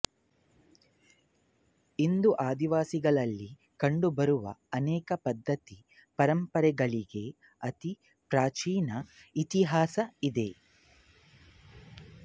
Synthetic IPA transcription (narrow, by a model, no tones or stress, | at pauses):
ind̪uʔaːd̪iʋaːsiɡɐɭɐlːi | kɐɳɖubɐɾuʋɐ̰ɐnɛːkɐpɐd̪ʱːɐt̪i | pɐɾɐmpɐɾɛɡɐɭiɡe̞ | ɐt̪i | pɾaːt͡ʃiːnɐit̪iɦaːsɐid̪e̞